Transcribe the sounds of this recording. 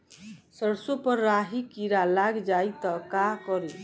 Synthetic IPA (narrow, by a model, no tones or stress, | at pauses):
səɽsopɔɾːaɦikiɾalaɡd͡ʒajt̪ɔkakɔɾi